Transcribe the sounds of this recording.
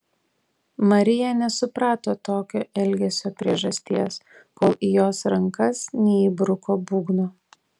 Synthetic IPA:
mɐɾʲɪjɛnʲɛsʊpɾɑːt̪oːt̪oːkʲoːʔɛlʲɡʲɛsʲoːpʲɾʲiɛʒɐsʲt̪ʲiɛs | koːlˠiːjoːsɾɐŋkɐsnʲɛiːbɾʊkoːbuːɡnoː

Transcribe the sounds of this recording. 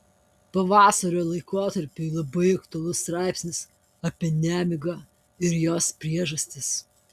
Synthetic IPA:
pɐʋɑːsɐɾʲoːlˠɐɪkoːt̪ɐɾʲpʲuɪlˠɐbɐɪɐkt̪ʊɐlˠʊst̪ɾɑˑɪpʲsʲnʲɪs | ɐpʲiɛnʲæːmʲɪɡɑː | ɪɾjoːspʲɾʲiɛʒɐsʲt̪ʲɪs

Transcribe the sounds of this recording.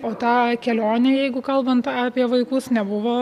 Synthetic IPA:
oːt̪ɑːkʲɛlʲoːnʲejɛɪɡʊkɐlˠbɐnt̪ɑːpʲiɛʋɐɪkʊsnʲɛbʊʋoː

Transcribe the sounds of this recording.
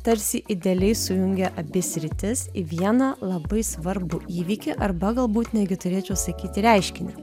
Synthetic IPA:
t̪ɐɾʲsʲɪʔɪd̪ʲelʲɛɪsʊjʊŋʲɡʲɛʔɐbʲɪsʲɾʲɪt̪ʲɪsiʋʲiɛnɐlˠɐbɐɪsʋɐɾbʊiːʋʲiːkʲɪʔɐrbɐɡɐlˠbuːt̪nʲɛːd̪ɡʲɪt̪ʊɾʲeːt͡ʃʲɛʊsɐkʲiːt̪ʲɪɾʲɛɪʃʲkʲɪnʲɛ

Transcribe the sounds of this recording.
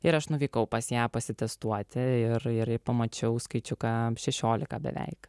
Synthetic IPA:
ɪɾɐʃnʊʋʲiːkɐʊpɐsjæːpɐsʲɪt̪ʲɛst̪uɔt̪ʲɪɪɾɪɾɪpɐmɐt͡ʃʲɛʊskɐɪt͡ʃʲʊkɑʃʲɛʃʲoːlʲɪkɐbʲɛ̰ʋʲɛ̰ɪk

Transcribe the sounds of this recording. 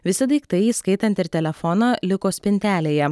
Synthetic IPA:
ʋʲɪsʲɪd̪ɐɪkt̪ɐɪiːskɐɪt̪ɐnt̪ɪɾt̪ʲɛlʲɛfɔnɐːlʲɪkoːsʲpʲɪnʲt̪ʲæːlʲeːjɛ

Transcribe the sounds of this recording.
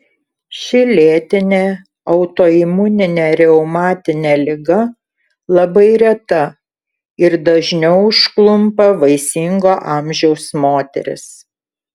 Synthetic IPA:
ʃʲɪlʲeːt̪ʲɪnʲeː | ɐʊt̪oːɪmʊnʲɪnʲeːɾʲɛʊmɑːt̪ʲɪnʲeːlʲɪɡɐ | lˠɐbɐɪɾʲɛt̪ɐ | ɪɾd̪ɐʒʲnʲɛʊʊʃklˠʊmpɐʋɐɪsʲɪŋɡoːʔɑˑmʲʒʲɛʊsmoːt̪ʲɛ̰ɾʲɪ̰s

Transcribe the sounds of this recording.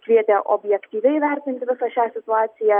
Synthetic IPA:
kʋʲiɛt̪ʲɛʔo̰bʲjɛkt̪ʲiːʋʲɛɪʋʲɛɾʲt̪ʲɪnʲt̪ʲɪʋʲɪsɐʃʲæːsʲɪt̪ʊɑːt̪sʲɪjæː

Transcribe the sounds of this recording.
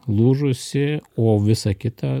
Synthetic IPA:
lˠuːʒʊsʲɪoːʋʲɪsɐkʲɪt̪ɑ

